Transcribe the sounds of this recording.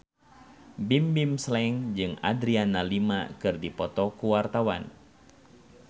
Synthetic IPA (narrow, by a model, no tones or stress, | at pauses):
bimbimslɛŋd͡ʒɨŋa̰dɾianalima̰kɨrdipɔt̪ɔkuwart̪awa̰n